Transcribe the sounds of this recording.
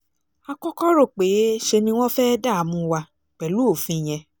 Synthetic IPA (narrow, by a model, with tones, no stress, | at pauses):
a˧kɔ˦kɔ˦ɾo˦˨k͡pe˨˦ʃe˧nĩ˧w̃ɔ̃˦fɛ˦da˦˨a˨˦mũ˨˧wa˧ | k͡pɛ˨lu˨˦o˦˨fĩ˧˦˨j̃ɛ̃˧